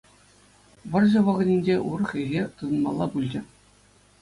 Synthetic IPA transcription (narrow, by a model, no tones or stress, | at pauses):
ʋɤ̆rʑɤ̆ʋɑʁɤ̆nʲinʲd͡ʑeʔurɤ̆χeɣʲet̪ɯnɤ̆nmɑ̰lˠːɑbulʲd͡ʑɘ̆